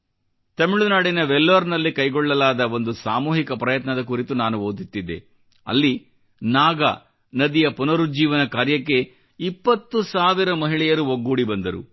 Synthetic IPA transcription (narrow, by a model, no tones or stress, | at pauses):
t̪ɐmiɭunaːɽinɐʋelːʋɐɾnɐlːikɐjɡɔɭːɐlaːd̪ɐʋo̞nd̪usaːmuːɦikɐpɾɐjɐt̪nɐd̪ɐkuɾit̪unaːnuʋoːd̪it̪ːid̪e̞̰ | ɐ̰lːi | naːɡɐ̰ | nɐd̪ijɐpunɐɾud͡ʒiːʋɐnɐkaːɾjɐkːe̞ | ipːɐt̪ːusaːʋiɾɐmɐɦiɭɛjɐɾuoɡːuːɽibɐnd̪ɐɾṵ